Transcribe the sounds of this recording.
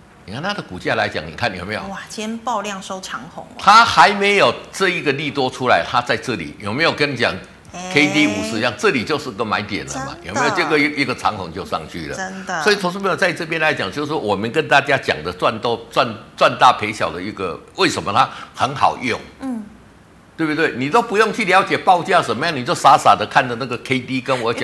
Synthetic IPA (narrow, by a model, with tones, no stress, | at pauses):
ni˨kʰnt̪ʰa˥d̪ə˨ku˨˩t͡ɕja˥˧˩la˨˦ɪt͡ɕja̰˨˩˦ŋnḭ˨˩kʰa˥nːjo˨˩me˧˥jo̰˨˩jɛ˥npɑ˥˧ʊljɑ˥˩ŋʂo˥˧ʊʈ͡ʂʰɑ˧˥˦ŋhʊ̰˨˧˦ŋt̪ʰa˦xa˧˦ɪme˧˥ɪjo˨˩ʊʈ͡ʂɤ˥˧i˧˥ɡə˨li˥˧t̪wɔ˥ʈ͡ʂʰu˥la˧˦ɪt̪ʰa˦t͡sa˥˧ɪʈ͡ʂɤ˥˩lḭ˨˩˦njo˨˩ʊme˧˥jo˨˩kə˦n˩t͡ɕjɑ̰a˨˩ŋ | kʰe˦˥t̪i˦˥u˨˩ʂ̩˥˧jɑ˥˩ŋt͡sʈ͡ʂɤ˥˩li˨˩t͡ɕjo˥˧ʊʂɻ̩˥˩i˧ɡə˨ma˧˥nɪt̪jɛ̰˨˩nlə̰˦ma̰˨˩njo̰˨˩me˦˥jo˨˩˧ʈ͡ʂɡə˨˥ʔi˥˩ɡə˨ʈ͡ʂʰɑ˧˦˥ŋhʊ˧˥ŋt͡ɕjo˥˧ʊʂɑ̰˥˧ŋt͡ɕʰy̰˥˩lə̰˨˦˥nswɔ˧˥i˨˩t͡sʰʊ˧ŋʂ̩˥mẽ˥o˨˩t͡sa˥˧ɪʈ͡ʂɤ˥˧pʰjɛ˥nla˧˦t͡ɕɑ˨˩ŋt͡ɕjʂ̩˥˩ʂwɔ˥˩wɔ˨˩mə˨nkə˦˥nt̪a˥˩t͡ɕja˥t͡ɕjɑ̰˨˩ŋd̪ə˦t͡swa˥˧nt̪o˥˧ʊt͡swa˥˧nt͡swa˥˧nt̪a˥˩pʰe˧˥ɪɕjɑ˨˩ʊd̪ə˦i˧˩ɡə˨we˥˩ɪʂə˧˦nmə˧t̪ʰa˥xə˧˦nxɑ̰˨˩ʊjʊ˥˩ŋ | t̪we˥˩b̪t̪we˥˩ɪni˨˩t̪o˥ʊpu˧˦jʊ˥˧ŋt͡ɕʰy˥˩ljɑ˧˥ʊt͡ɕjɛ˨˩pɑ˥˧ʊt͡ɕja˥˩ʂə˧˩nmə˧˦ja˥˩ŋni˨˩t͡ɕjo˥˩ʊsa˧˨˥sa˨˩d̪ə˦kʰa˥˩nd̪ə˩na˥˩ɡə˩kʰe˥ɪt̪i˦kə˦˥nwɔ˨˦t͡ɕ